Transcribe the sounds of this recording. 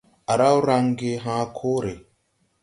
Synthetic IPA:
a˨ɾa˦wɾa˦ŋɡe˦ɦãː˦kʰo˦ɾe˨

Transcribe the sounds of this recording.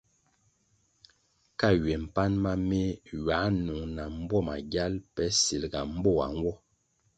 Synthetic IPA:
ka˦˨ɥe˨m̩˨pa˦nma˦me˦ɥa˨˦nu˨ŋna˨m̩˦bwɔ˦˨ma˨ɡja˦lpɛ˦si˨lɡa˨m̩˦bɔ˦˨a̰˨ŋ˦wɔ˦

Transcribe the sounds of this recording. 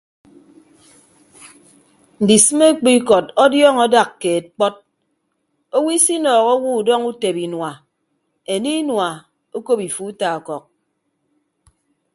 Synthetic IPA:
n̩˨di˨sɨ˦me˦k͡pi˦kɔ˨tɔ˦djɔ˦˨ŋɔ˦da˨kːe˨k͡pɔ˦t̚ | o˦wi˦si˦nɔː˨ɣo˦wu˦u˨dɔ˦ŋu˦te˨bi˨nwa˨ | e˨ni˦nwa˨ | o˦ko˦pi˨fu˦ta˨ɔ˨kɔ˨k̚

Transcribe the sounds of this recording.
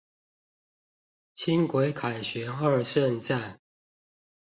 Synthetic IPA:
t͡ɕʰi˦ŋkwe˨˦ɪkʰa˨˩ɪɕɥɛ˨˦xə˥˨˧sə˥˨nt͡sa˥˨ɪ

